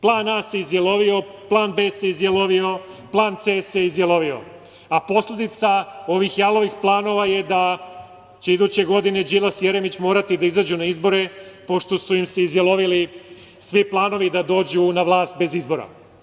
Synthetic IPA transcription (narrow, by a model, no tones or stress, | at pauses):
plˠaːnaseizjelo̞ʋio̞plˠaːnbeːseizjeloʋio̞ | plˠaːnt̪seːseizjelo̞ʋio̞̰ | apo̞sle̞d̪it̪sao̞ʋixjalo̞ʋixplˠaːno̞ʋajed̪a | t͡ɕe̞id̪uːt͡ɕe̞ɡo̞d̪ine̞d͡ʑilˠasjeɾemit͡ɕmo̞ːɾat̪id̪aizad͡ʑunaizbo̞ɾe̞po̞ʃt̪o̞suimseizjelˠo̞ʋili | sʋiplˠaːno̞ʋid̪ad̪o̞ːd͡ʑunaʋlˠaːst̪̚be̞zizbo̞ɾa̰